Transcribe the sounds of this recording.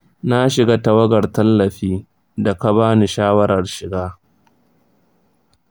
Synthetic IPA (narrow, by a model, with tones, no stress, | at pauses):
na˦ʃɪ˨ɡaː˦ta˨wɐ˦ɡɐ˨rtɐ˦lːɐ˨ɸiː˦ | da˨ka˦baː˦ni˨ʃaː˦wɐ˦ɾɐ˨rʃɪ˨ɡaː˦